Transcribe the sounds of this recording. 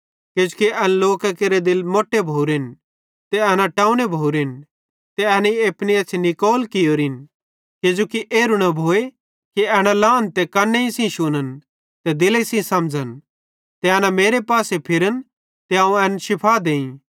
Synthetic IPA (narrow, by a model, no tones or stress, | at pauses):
kɪd͡ʒukiʔɛnloːkɐkeɾed̪ɪlmoːʈːebʱoːuɾɪn | t̪eɛnaʈãːũnebʱoːɾin | t̪eɛnieːpniɐt͡ʃʰnikoːlkɪjoːɾin | kɪd͡ʒoːkiʔeːɾunɐbʱoːe | kiɛɽ̃alaːnt̪ekɐnːeĩsĩʃʊnən | t̪ed̪ɪlesĩsɐmd͡ʒʱən | t̪eɐnameːɾepaːsepʰɪɾən | t̪eãũɛnʃɪpʰad̪eːĩ